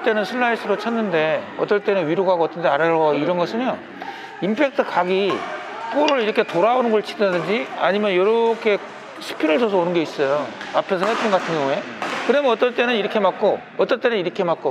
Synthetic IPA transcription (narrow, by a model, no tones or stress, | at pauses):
t͈e̞nɯnsʰɯɭːaisʰɯɾot͡ɕʰʌnːɯnde̞ʌt͈ʌɭt͈e̞nɯnɥiɾoɡɦaɡoʌt͈ʌndeaɾaɡʌiɾʌnɡʌsʰɯnjo | impʰe̞k̚tʰɯkaɡi | k͈oɾɯɭiɾʌkʰe̞toɾabonɯnɡʌɭt͡ɕʰi̥kʌdɯnd͡ʑia̰ɲimjʌnjoɾʌkʰe̞ | sʰɯ̥pʰinɯɭt͡ɕʌs̬ʰʌonɯnɡe̞is͈ʌjoapʰe̞s̬ʰʌɦet͈ɯnɡatʰɯnɡjʌŋue̞ | kɯɾʌmnʌt͈ʌɭt͈e̞nɯniɾʌkʰe̞mak̚k͈o | ʌt͈ʌɭt͈e̞nɯniɾʌkʰe̞mak͈̚o